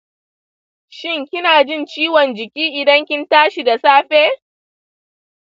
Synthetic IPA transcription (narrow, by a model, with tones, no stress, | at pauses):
ʃɪ˦ŋkʲɪ˦naː˨d͡ʒɪ˦˨nt͡ʃiː˦wɔ˨nd͡ʒɪ˨kʲiː˦ʔɪ˨dɐ˦ŋkʲɪ˦ntaː˦ʃi˨da˨saː˦ɸeː˦